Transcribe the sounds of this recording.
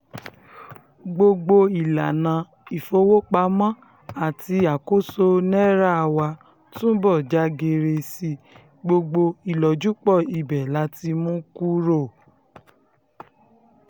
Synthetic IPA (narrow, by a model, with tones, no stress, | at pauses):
ɡ͡bo˧ɡ͡bo˧i˨la˨nã˨˧ | i˨fo˧˦wo˦k͡pa˧˦mã˦ | a˨ti˧a˨ko˦so˧nɛ˦ɾa˦˨wa˧ | tũ˦bɔ˦˨d͡ʒa˧˦ɡe˧ɾe˧si˧ | ɡ͡bo˧ɡ͡bo˧i˨lɔ˨d͡ʒu˨˦k͡pɔ˦˨i˨bɛ˨la˨˦ti˧mũ˦ku˦ɾo˦˨